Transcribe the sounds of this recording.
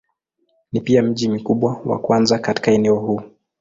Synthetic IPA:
nipiam̩ʄim̩kuɓwawa̰kwanzakati̥kaɛnɛɔhuː

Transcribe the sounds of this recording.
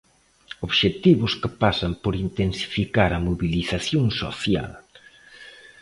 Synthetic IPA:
oβʃet̪iβʊskɪpasampoɾint̪ensi̥fikaɾɐmoβiliθaθjoŋso̰θja̰l

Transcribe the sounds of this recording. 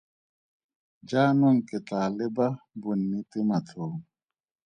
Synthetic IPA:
d͡ʒaːnɔŋ̩ketaːlɪbabunːitɪmatʰoː

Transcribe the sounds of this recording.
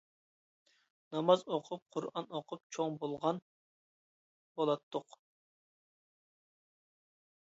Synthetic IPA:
nɑmɑzoqʰʊp̚qʰʊɾɑnoqʰʊp̚t͡ʃʰoŋbolˠʁɑn | b̥olˠɑt̪ʰːʊq

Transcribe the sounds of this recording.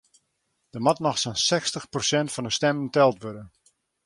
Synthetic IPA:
d̥əmɑtmɔxsansɛkstəxprosɛntfɑndəstɛmɪŋtɛlˠtʋødən

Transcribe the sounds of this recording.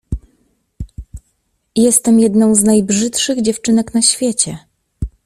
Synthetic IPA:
jɛst̪ɛmjɛd̪nɔ̃w̃znajbʐɘt̪ʂɘɣd͡ʑɛft͡ʂɘnɛknaɕfʲjet͡ɕɛ

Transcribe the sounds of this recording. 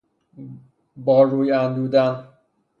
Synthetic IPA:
bɒːɾuːjænd̪uːd̪æn

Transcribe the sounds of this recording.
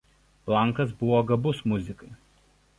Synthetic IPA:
plˠɐˑŋˑkɐs̬bʊʋoːɡɐbʊsmʊzʲɪkɐɪ

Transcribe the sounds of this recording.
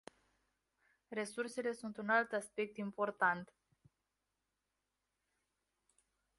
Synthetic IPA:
re̞surse̞le̞sunt̪unalt̪aspe̞k̚t̪impo̞rt̪ant̪

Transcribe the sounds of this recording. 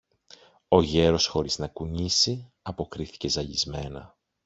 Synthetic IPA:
o̞ʝe̞ɾo̞sxo̞ɾiznɐkuɲisi | ɐpo̞kɾiθi̥ce̞zɐʎizme̞nɐ̰

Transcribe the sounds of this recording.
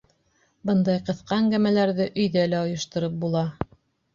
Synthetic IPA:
bɤnd̪ɑjqɤ̆θqɑæŋɡæmælæɾðɘʔɵ̆jðælæŏjŏʃt̪ŏɾɤp̚bulˠɑ

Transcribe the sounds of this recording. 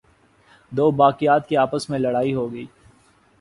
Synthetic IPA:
d̪oːbaːkijaːt̪̚keaːpəsmẽlɐɽaːiɦoːɡəiː

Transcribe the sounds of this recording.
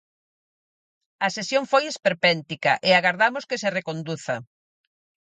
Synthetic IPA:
ɐsesjoŋfojespeɾpɛnt̪ikɐ̰ʔeaɣaɾðamʊskeserekond̪uθɐ̰

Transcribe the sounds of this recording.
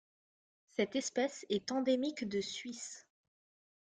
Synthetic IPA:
sɛt̪ɛspɛsɛt̪ɑ̃d̪emikd̪əsɥis

